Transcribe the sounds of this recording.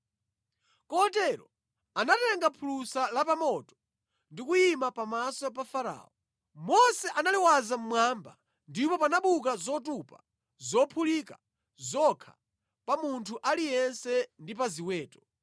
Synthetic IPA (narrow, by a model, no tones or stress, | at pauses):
kɔtɛɾɔ | anatɛŋɡapʰulusalapamɔtɔ̥ | ndikujimapamasɔpafaɾa̰ːɔ | mɔsɛʔanaliwazam̩mwamba̰ | ndipɔpanaɓuk̬azɔtupa̰ | zɔpʰulika | zɔkʰḁ | pamuntʰuʔalijɛnsɛndip̬aziwɛːtɔ̥